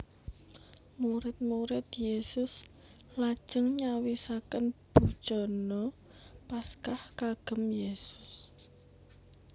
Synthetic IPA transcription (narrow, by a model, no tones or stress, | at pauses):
muɾɪt̪̚muɾɪt̪jesʊs | lad̥ʒ̥əŋɲawisakənb̥ṳ̥t͡ʃɔnɔ | paskahkaɡ̥ə̤mjesʊ̥s